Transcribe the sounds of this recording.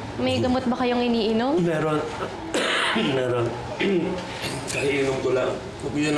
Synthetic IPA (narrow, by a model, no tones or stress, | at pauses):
mɐjɡɐmot̪̚bɐkɐjoŋʔɪniːʔɪnommɛːɾon | mɛːɾon | kɐhɪʔɪnomkolaŋ | oɡjon